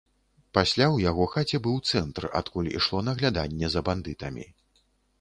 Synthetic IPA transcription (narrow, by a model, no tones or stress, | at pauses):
pasʲlʲawjaɣɔxat͡sʲɛbɨwt̪sɛnt̪ra̰t̪kulʲḭʂlˠɔnɐɣlʲad̪anʲːɛzɐband̪ɨt̪ɐmʲḭ